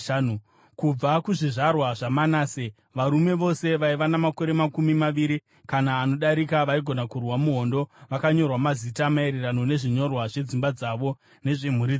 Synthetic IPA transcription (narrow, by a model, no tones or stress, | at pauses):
u | kub͡vakuʐiʐarwaʐamanaːse | ʋaɾume̞ʋo̞se̞ʋaiʋanamako̞ɾe̞makumimaʋiɾi | kanaːno̞ɗaɾikaʋaiɡʱo̞nakurwamuɦo̞ndo̞ʋakaɲo̞rwamazitamae̞ɾerano̞ne̞ʐiɲo̞rwaʐe̞d͡zimbad͡zaʋo̞ | ne̞ʐem̤uɾi